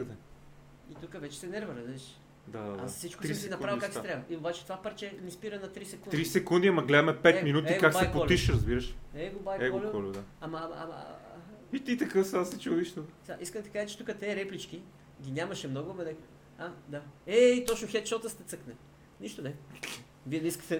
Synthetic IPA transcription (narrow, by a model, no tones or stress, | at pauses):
d̪ɛ | it̪ukəvɛt͡ʃɛ̥sɛnɛɾvəɾɐzɛʃ | d̪aada̰fsit͡ʃkoɾisinɐpɾavikaksɛt̪ɾʲavəʔiobat͡ʃɛ̥t̪ovapɐɾt͡ʃɛmispiɾənɐt̪ɾisɛkunɾisɛkund̪iɐmɐɡlɛd̪mɛpɛt̪minut̪ikakbsaɛjpʊolʲiʃɾɐzbiɾəʃɛɡobajɛɡɔlʲuɔlʲud̪aamɐma̰ | it̪it̪ɐkəfsasɛt͡ʃud̪iʃt̪osʲaʔiskəmd̪ɐ̥kaʒət͡ʃɛ̥t̪ukət̪ɛːɾɛplit͡ʃki | ɡʲinʲamɐʃɛmnɔɡʊmɛd̪ɛ | ad̪aɛit̪ɔt͡ʃnʊxɛt̪ʃɔt̪əst̪ɛt̪səknɛ | niʃt̪onɛ | viɛnɛiskə̥t̪ɛ